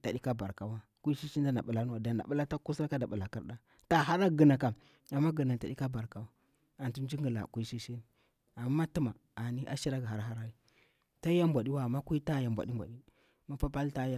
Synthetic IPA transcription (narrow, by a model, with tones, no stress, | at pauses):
ta˨ɗi˦ka˦ba˨ɾka˨wa˦ | ku˦i˦ʃi˦ʃi˦n˦da˦na˨ɓu˨la˦nu˦wa˨da˨na̰˨ɓu˦la˦ta˦ku˦sɾa˦ka˦da˨ɓu˨la˨kḭ˦ɾɗa˦ | ta˨ɦa˦ɾa˦ɡə˨na˨ka˨ | a˨mːa˦ɡə˨na˨n˨ta˨ɗi˦ka˦ba˨ɾka˨wa˦ | a˨ntu˦n˦d͡ʒi˦ŋɡə˨la̰˨ku˦ʃi˦ʃi˦n˨ | a˨m˦ma˦ti˦ma˨ | a˨ni˦ʔa̰˦ʃi˦ɾa˦ɡa˨ɦa˦ɾɦa˦ɾa˦i˦ | ta˦i˦ja˦mbʷa˨ɗi˦wa˦˨mːa˦ku˦i˦ta˦ja˨mbʷa̰˨ɗi˦mbʷa̰˨ɗi˦ | ma˦pa˦pa˦lta˦ja˦˨